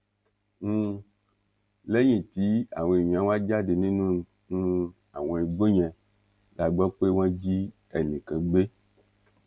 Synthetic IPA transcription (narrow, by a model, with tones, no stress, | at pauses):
ŋ̩˦ | le˦ɲĩ˨ti˨˦a̰˨wɛ̃˧˨i˨ɲ˨ã˨˦wa˦d͡ʒa˦de˨nĩ˦nũ˦n˨ | ŋ̩˦ | a̰˨w̃ɛ˨i˨ɡ͡bo˦ɲɛ̃˨ | la˨ɡ͡bɔ˦k͡pe˦w̃ã˦d͡ʒi˦ | ɛ˨nĩ˨kɛ̃˨ɡ͡be˦